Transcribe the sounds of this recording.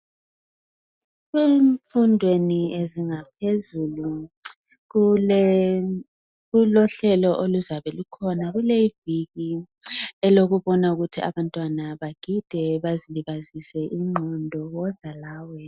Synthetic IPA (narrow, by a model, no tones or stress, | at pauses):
ɣweɱfundʱwenieziŋap̚ʰezuːlu | ɣulɔɬɛlɔʔoluzaβɛlukʰɔnaɣuleiviɣi | ɛloɣuβɔnauɣutʰiaβantʼwanaβaɡ̥ʱid̥ʱɛβaziliβazisɛʔiŋ͡ǃʱɔndʱɔɣɔzalaːwɛ